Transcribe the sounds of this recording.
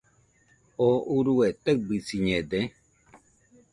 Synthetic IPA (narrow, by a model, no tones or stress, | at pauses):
ouɾuet̪əbisiɲed̪e